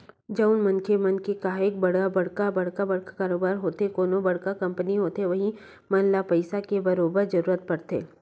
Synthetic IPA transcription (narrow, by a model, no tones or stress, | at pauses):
d͡ʒɐʊnmɐnkemɐnkekaːɦek̚bɐɽ̤abɐɽkabɐɽ̤kabɐɽkakaːɾoːbaːɾɦoːt̪ekoːnõbɐɽkakɐ̃mpəniɦoːt̪eʋɐɦi | mɐnlapɐɪsakebɐɾoːbəɾd͡ʒɐɾuːɾət̪̚pɐɾt̪ḛː